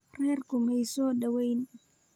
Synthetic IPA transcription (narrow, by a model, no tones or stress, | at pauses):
rɛːrkʊmɛjsɔːɗɐwɛjn